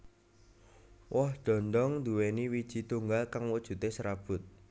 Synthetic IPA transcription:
wʔɔhɖ̪̥ɔ̤nd̪ɔŋd̪uweniwid̥ʒ̥i̤t̪uŋɡalkaŋwɔd̥ʒ̥ṳt̪esɾab̥ʊ̤t̪̚

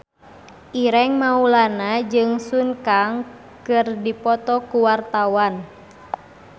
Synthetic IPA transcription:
ʔiɾɛŋmaulanad͡ʒɨŋsunkaŋ | kɨrdipɔt̪ɔkuwart̪awan

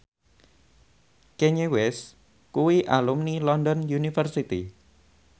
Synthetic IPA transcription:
kɛɲewɛs | kuwiʔalumnilɔndɔnjunifərsit̪ḭ

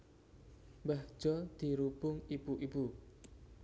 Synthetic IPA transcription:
mbahʒ̥ɔd̪̥i̤ɾub̥ʊŋib̥uʔibu

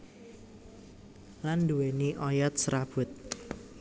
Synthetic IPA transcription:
landuweniʔɔjɔt̪̚sɾab̥ʊ̤t̪̚

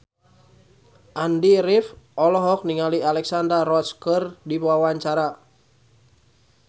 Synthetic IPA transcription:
ʔandiɾifɔlɔɦɔk̚niŋalialɛksandarɔskərdipawaɲt͡ʃaɾa

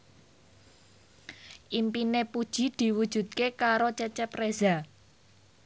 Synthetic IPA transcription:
ʔimpinepud̥ʒ̥i̤d̪̥i̤wud̥ʒ̥ṳt̪̚kekaɾot͡ʃɛt͡ʃɛpreza

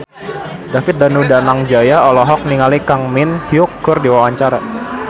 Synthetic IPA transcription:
dafɪt̪̚danudanaŋd͡ʒajaɔlɔɦɔk̚niŋalikaŋmɪnhiʊk̚ɡʊrdiwawaɲt͡ʃaɾa

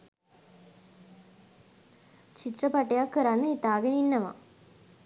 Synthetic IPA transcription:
t͡ʃit̪ɾɐpɐʈːɐjaːkɯɾanːɐit̪aːɡɐninːɐʋa̰

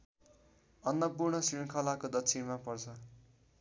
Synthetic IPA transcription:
ʌnːʌpurɳʌsrinkʰʌlakod̪ʌsʰinmapʌrt͡sʰʌ

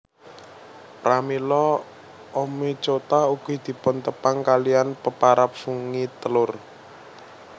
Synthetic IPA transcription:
pɾamilɔ | ʔomit͡ʃot̪auɡ̥i̤d̪̥i̤pʊnt̪əpaŋkalijanpəpaɾap̚fuŋit̪əlʊr

